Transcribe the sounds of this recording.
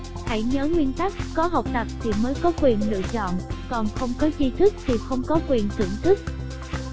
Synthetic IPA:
ha˧˩jɲəː˨˦ŋwi˧ənt̪a˦˥k̚ːɔ˨˦ɦə˨˩wk͡p̚t̪ə˨˩p̚t̪ʰi˨˩məː˨˦jkɔ˨˦kwi˨˩ənlɨ̰˧˨ət͡ɕɔ̰˧˨nkɔ˨˩nxə˧wŋ͡mkɔ˨˦zi˧t̪ʰɨ˦˥k̚t̪ʰi˨˩xə˧wŋ͡mkɔ˨˦kwi˨˩ənt̪ḭ˧˩ŋt̪ʰɨ˦˥k̚

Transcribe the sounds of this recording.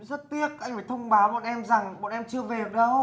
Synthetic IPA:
zə˦˥t̚t̪i˦˥ək̚ʔa˧jŋ̟faː˧˩jt̪ʰə˧wŋ͡mɓaː˨˦ɓɔ̰˧˨nʔɛ˧mza˨˩ŋɓɔ̰˧˨nʔɛ˧mt͡ɕɨ˧əve˨˩ə˨˩ɗə˧w

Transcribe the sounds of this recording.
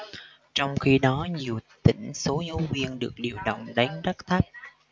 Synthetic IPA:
t͡ɕɔ˧wŋ͡mxi˧ɗɔ˨˦ɲi˨˩əwt̪ḭ̈˧˩ŋ̟so˨˦ɲu˨˦vi˧ənɗɨ˨˩ək̚ɗi˨˩əwɗə̰˧˨wŋ͡mɗa˨˦ŋza˦˥k̚t̪ʰa˦˥k̚

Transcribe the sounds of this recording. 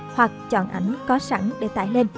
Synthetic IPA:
hwa˨˩k̚t͡ɕɔ̰˧˨nʔa˧˩jŋ̟kɔ˨˦sa˧˥ŋɗe˧˩t̪a̰ː˧˨jle˧n

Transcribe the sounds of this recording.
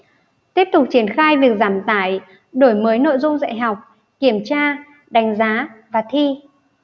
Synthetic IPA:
t̪i˦˥əp̚t̪ʊ˨˩k͡p̚t͡ɕi˧˩ənxaː˧jvi˨˩ək̚zaː˧˩mt̪aː˧˩j | ɗo˧˩jməː˨˦jno̰˧˨jzʊ˧ŋ͡mza̰˧˨jɦa˨˩wk͡p̚ | ki˧˩əmt͡ɕaː˧ | ɗa˨˦jŋ̟zaː˨˦vaː˨˩t̪ʰi˧

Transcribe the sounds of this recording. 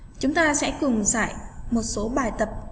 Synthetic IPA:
t͡ɕʊ˨˦ŋ͡mt̪aː˧sɛ̰˧˥kʊ˨˩ŋsa̰ː˧˨jmo˨˩t̚so˨˦ɓaː˨˩jt̪ə˨˩p̚

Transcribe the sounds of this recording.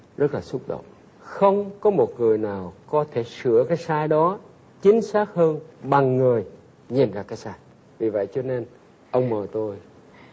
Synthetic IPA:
zə˦˥t̚laː˨˩sʊ˦˥k͡p̚ɗo̰˧˨wŋ͡m | xə˧wŋ͡mkɔ˨˦mo˨˩t̚ŋɨ˨˩əjnaː˨˩wkɔ˨˦t̪ʰe˧˩sɨ̰˧˩əkaː˨˦jsaː˧jɗɔ˨˦ | t͡ɕï˨˦ŋ̟saː˦˥k̚həː˧nɓa˨˩ŋːɨ˨˩əj | ɲi˨˩nzaː˧˩kaː˨˦jsaː˧j | vi˨˩və̰˧˨jt͡ɕɔ˧ne˧n | ʔə˧wŋ͡mməː˨˩jt̪o˧j

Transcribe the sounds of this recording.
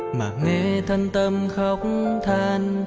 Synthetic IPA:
ma̰ː˨˩ŋe˧t̪ʰə˧ŋt̪ə˧mxə˧˦wk͡p̚ŋ͡mt̪ʰaː˧n

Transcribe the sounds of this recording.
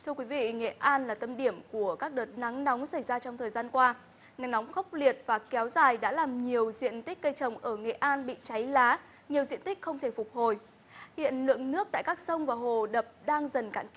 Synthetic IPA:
t̪ʰɨ˧əkwi˨˦vḭ˧˨ŋḛ˧˨ʔaː˧nlaː˨˩t̪ə˧mɗi˧˩əmku˧˩əkaː˦˥k̚ɗəː˨˩t̚na˨˦ŋnɔ˨˦wŋ͡msa˧˩jzaː˧t͡ɕɔ˧ŋ͡mt̪ʰəː˨˩jzaː˧nkwaː˧ | na˨˦ŋnɔ˨˦wŋ͡mxa˦˥wk͡p̚li˨˩ət̚vaː˨˩kɛ˨˦wzaː˨˩jɗa̰ː˧˥laː˨˩mɲi˨˩əwzḭ˧˨ənt̪i˦˥k̟̚kə˧jt͡ɕə˨˩wŋ͡mʔəː˧˩ŋḛ˧˨ʔaː˧nɓḭ˧˨t͡ɕa˨˦jlaː˨˦ | ɲi˨˩əwzḭ˧˨ənt̪i˦˥k̟xə˧wŋ͡mt̪ʰe˧˩fʊ˨˩k͡p̚ho˨˩j | hḭ˧˨ənlɨ̰˧˨əŋnɨ˦˥ək̚t̪a̰ː˧˨kaː˦˥k̚sə˧wŋ͡mvaː˨˩ɦo˨˩ɗə˨˩p̚ɗaː˧ŋzə˨˩nka̰ː˧˥nk

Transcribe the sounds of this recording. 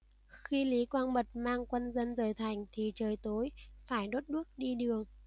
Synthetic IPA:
xi˧li˨˦kwaː˧nɓə˨˩t̚maː˧ŋkwə˧nzə˧nzəː˨˩jt̪ʰa˨˩jŋ̟t̪ʰi˨˩t͡ɕəː˨˩jt̪o˨˦jfaː˧˩jɗo˦˥t̚ɗɨ˦˥ək̚ɗi˧ɗɨ˨˩əŋ

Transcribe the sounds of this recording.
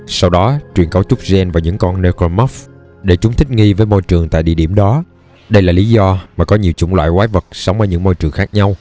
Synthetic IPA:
sa˧wɗɔ˨˦t͡ɕwi˨˩ənkə˨˦wt͡ɕʊ˦˥k͡p̚zɛ˧nvaː˨˩ɲɨ̰˧˥ŋkɔ˧nne˧kɔ˧mɔ˦˥f | ɗe˧˩t͡ɕʊ˨˦ŋ͡mt̪ʰï̟˦˥ŋi˧vəː˨˦jmo˧jt͡ɕɨ˨˩əŋt̪a̰ː˧˨jɗḭ˧əɗi˧˩əmɗɔ˨˦ | ɗə˧jlaː˨˩li˨˦zɔ˧maː˨˩kɔ˨˦ɲi˨˩əwt͡ɕʊ̰˧˩ŋ͡mlwa̰ː˧˨jkwaː˨˦jvə˨˩t̚sə˨˦wŋ͡mvəː˨˦jɲɨ̰˧˥ŋmo˧jt͡ɕɨ˨˩əŋxaː˦˥k̚ɲa˧w

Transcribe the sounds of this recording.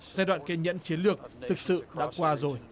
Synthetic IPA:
zaː˧jɗwa̰ː˧˨nke˧ɲə̰˧˥nt͡ɕi˨˦nlɨ˨˩ək̚t̪ʰɨ˨˩k̚sɨ̰˧˨ɗa̰ː˧˥kwaː˧zo˨˩j

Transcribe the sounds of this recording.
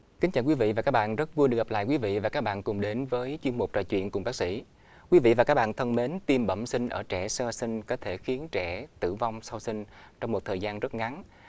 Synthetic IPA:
kï˨˦t͡ɕaː˨˩kwi˨˦vḭ˧˨vaː˨˩ka˦˥k̚ɓa̰ː˧˨nzə˦˥t̚vu˧əjɨ˨˩k̚ɣa˨˩p̚la̰ː˧˨jkwi˨˦vḭ˧˨vaː˨˩kaː˦˥k̚ɓa̰ː˧˨nkʊ˨˩ŋ͡mɗe˨˦nvəː˨˦jt͡ɕwi˧ənmu˨˩k͡p̚t͡ɕɔ̰˧˨jt͡ɕwḭ˧˨ənkʊ˨˩ŋ͡mɓaː˦˥k̚sḭ˧˥ | kwi˨˦vḭ˧˨vaː˨˩kaː˦˥k̚ɓaː˧˨nt̪ʰə˧nme˨˦nt̪i˧mɓə̰˧˩msï˧ŋ̟ʔəː˧˩t͡ɕɛ˧˩səː˧sï˧ŋ̟kɔ˨˦t̪ʰe˧˩xi˨˦ənt͡ɕɛ˧˩t̪ɨ̰˧˨va˧wŋ͡msa˧wsï˧ŋ̟ | t͡ɕɔ˧wŋ͡mmo˨˩t̚t̪ʰəː˨˩jzaː˧nzə˦˥t̚ŋa˨˦n

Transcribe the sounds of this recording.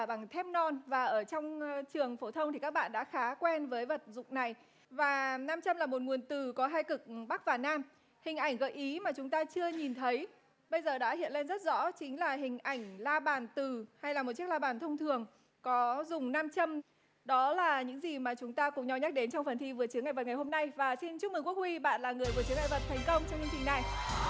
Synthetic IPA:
ɓa˨˩ŋt̪ʰɛ˦˥p̚nɔ˧nvaː˨˩ʔəː˧˩t͡ɕɔ˧wŋ͡mt͡ɕɨ˨˩əŋfo˧˦t̪ʰə˧wŋ͡mt̪ʰi˨˩ka˦˥k̚ɓa̰ː˧˨nɗa̰ː˧˥xaː˨˦kwɛ˧nvəː˨˦jvə˨˩t̚zʊ̰˧˨ŋ͡mna˨˩j | vaː˨˩naː˧mt͡ɕə˧mlaː˨˩mo˨˩t̚ŋu˨˩ənt̪ɨ˨˩kɔ˨˦ɦaː˧jkɨ˨˩k̚ɓa˦˥k̚vaː˨˩naː˧m | hï˨˩ŋ̟ʔa˧˩jŋ̟ɣə̰˧˨˩jʔi˨˦maː˨˩t͡ɕʊ˨˦ŋ͡mt̪aː˧t͡ɕɨ˧əɲi˨˩nt̪ʰə˨˦j | ɓə˧jzəː˨˩ɗa̰ː˧˥hḭ˧˨ənle˧nzə˦˥t̚z̥ɔ̰˧˥t͡ɕï˨˦ŋ̟laː˨˩ɦï˨˩ŋ̟ʔa˧˩jŋ̟laː˧ɓaː˧˩nt̪ɨ˨˩ha˧jlaː˨˩m˨˩t̚t͡ɕi˦˥ək̚laː˧ɓaː˧˩nt̪ʰə˧wŋ͡mt̪ʰɨ˨˩əŋ | kɔ˨˦zʊ˨˩ŋ͡mnaː˧mt͡ɕə˧m | ɗɔ˨˦laː˨˩ɲɨ̰˧˥ŋzi˨˩maː˨˩t͡ɕʊ˨˦ŋ͡mt̪aː˧kʊ˨˩ŋ͡mɲa˧wɲa˦˥k̚ɗe˨˦nt͡ɕɔ˧wŋ͡mfə˨˩nt̪ʰi˧vɨ˨˩ət͡ɕɨ˨˦ŋa̰˧˨və˨˩t̚ŋa˨˩jho˧mna˧jvaː˨˩si˧nt͡ɕʊ˦˥k̚mɨ˨˩ŋku˦˥k̚hwi˧ɓa̰ː˧˨nlaː˨˩ŋɨ˨˩əjku˧˩ət͡ɕɨ˨˦ŋa̰˧˨˩və˨˩t̚t̪ʰɛ˨˩jŋ̟kə˧wŋ͡mt͡ɕɔ˧wŋ͡mt͡ɕə˧ŋt͡ɕï˨˩ŋna˨˩j

